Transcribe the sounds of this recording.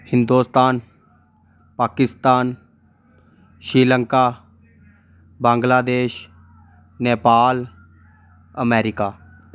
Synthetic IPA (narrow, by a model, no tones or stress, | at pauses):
hɪ̃nd̪uːst̪aːn | paːkɪst̪aːn | ʃɾiːlə̃ŋkaː | bãːŋɡlaːd̪eːʃ | neːpaːl | əmɛːɾɪkaː